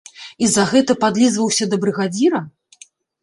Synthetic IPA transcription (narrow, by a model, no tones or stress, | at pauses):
izɐɣɛt̪ɐpad̪lʲizvɐwsʲɐd̪ɐbɾɨɣad͡zʲiɾɐ